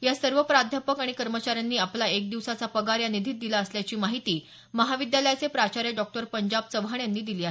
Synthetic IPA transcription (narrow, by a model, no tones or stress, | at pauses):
jasəɾʋəpɾad̪ʱjapəkaɽ̃ikəɾmət͡ɕaɾjanːiːaplaek̚d̪iʋsat͡sapəɡaɾjanid̪ʱit̪̚d̪ilaəsljat͡ɕiːmaɦit̪iː | məɦaʋid̪jaləjat͡sepɾat͡ɕaɾjeɖɔk̚ʈəɾpəɲd͡ʑab̚t͡səbʱaɳjanːiːd̪iliːa